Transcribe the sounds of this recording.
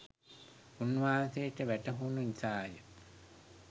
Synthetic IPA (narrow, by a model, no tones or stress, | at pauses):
unːʋaːnsejʈəʋæʈəɦuːnuisaːjə